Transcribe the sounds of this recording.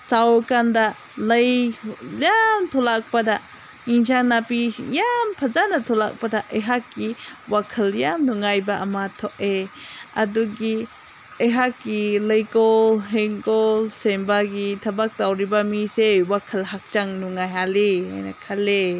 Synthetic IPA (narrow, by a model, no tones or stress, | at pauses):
sawkanda | ləjjamt̪ʰɔlak̚pada | insanapijampʰɐzanatʰɔla̰k̚padaʔəjɦakːiwakʰəljamnuŋajbaʔɐmat̪ʰɔʔeɐduɡi | əjɦakːiləjkɔlɦeŋkɔlsembaɡitʰɐbak̚tawɾibamisewakʰɐlɦak̚t͡ʃaŋnuŋajɦalia̰jna̰kʰale